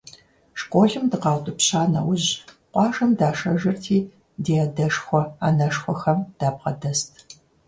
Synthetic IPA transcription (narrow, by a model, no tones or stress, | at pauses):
ʂkʷʼoːɮɪmdɨqɑːwtʼɨpɕaːnɐ̰wʊʑ | qʷɑːʒɐmdaːʂɐʒɪrtʰiː | deːɐdɐʂxʷɔaːnɐʂxʷɔxɐmd̥aːp̚qɐdɐstʰ